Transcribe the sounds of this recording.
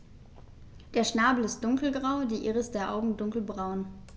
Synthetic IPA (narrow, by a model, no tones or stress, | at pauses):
d̥eːɐʃnaːbl̩ɪst̚d̥ʊŋkl̩ɡʁaʊdiːʔɪʁəsd̥eːɐʔa̰ʊɡŋ̩dʊŋkl̩bʁaʊn